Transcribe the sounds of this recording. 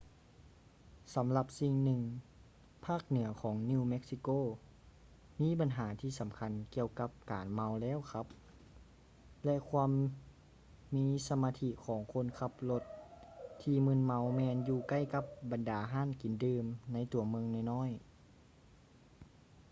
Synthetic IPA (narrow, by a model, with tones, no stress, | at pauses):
sa˨˦mla˧p̚si˧ŋnɯ˧ŋ | pʰaː˥˩k̚nɯ˩˦ɐkʰɔː˩˦ŋniː˧wme˦˥k̚si˧koː˧˥˨ | miː˧˥˨ba˨nɦaː˩˦t̪ʰiː˧˩sa˨˦mkʰa˧˥nki˧əwka˧˦p̚kaː˨nma˧˥wlɛː˧˥˨wkʰa˧˦˥p̚ | lɛ˧ʔkʰwaː˧m | iː˧˥sa˧maː˧t̪ʰi˧˥kʰɔː˩˦ŋkʰo˧˥˨nkʰa˧p̚lo˧t̪̚ʰː | iː˧mɯ˧˥˨nma˧˥wmɛː˧njuː˧ka˧˥˩jka˧˦p̚ba˨ndaː˨˩ɦaː˧˥˨nki˨˩˦ndɯː˧mna˧˥˨jt̪u˨˩˦ɐmɯ˧ŋnaː˧˩˨jnɔː˧˥˨j